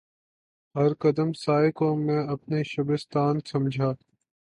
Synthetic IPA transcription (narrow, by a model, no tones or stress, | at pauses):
ɦɐɾkəd̪əmsaːjkõːmẽːɐpneʃɐbɪst̪aːnsɐmd͡ʒʱaː